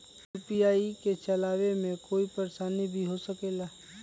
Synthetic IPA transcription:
upiaːiket͡ʃəlaːwemẽkoːipəɾsaːnibʱiɦosəkeːlaː

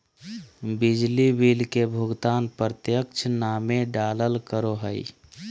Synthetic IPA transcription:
bid͡ʒlibilkebʱuɡt̪anpɾət̪jəkt͡ʃʰnameɖaləlkəɾoɦəj

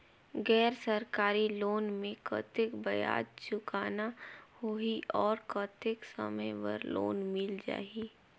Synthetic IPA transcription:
ɡɛːɾsəɾkaːɾiloːnmẽkə̰t̪ɪkbɐja̰ːd̪̚t͡ʃʊkaːnahoiʔɔːɾkət̪ɪksə̰məjʋə̰ɾlo̰ːnmɪld͡ʒa̰ːi

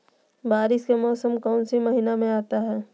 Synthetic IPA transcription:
baːɾɪʃkemɔːsəmkɔːnsimɐɦiːnamẽaːt̪aɦɛː

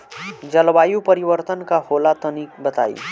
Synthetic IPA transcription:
d͡zʌlbajupʌɾibʌɾt̪ənkaholat̪ʌnikbət̪a̰j̰

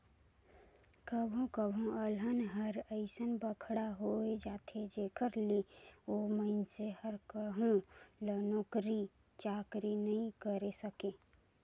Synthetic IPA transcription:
kəbʱõkəbʱõələnɦəɾəɪsənbəkʰɽaɦoed͡ʒaːt̪ʰed͡ʒeːkʰəɾlioməɪnsehəɾkəɦũlənoːkɾi | t͡ʃaːkɾinəɦĩkəɾesəke

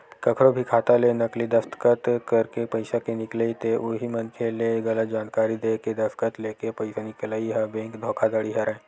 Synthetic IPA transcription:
kɐkʰɾobʱikʰaːt̪alenɐklid̪ɐst̪kət̪kɐɾkepɐɪsakenɪklait̪eʔoɦimɐnkʰeleɡɐlət̪̚d͡ʒaːnkaːɾid̪eːked̪ɐfkət̪leːkepɐɪsanɪklaːiɦɛ̃bẽːŋkd̪ʱoːkʰad̪əɽiɦɐɾɛ̃ː

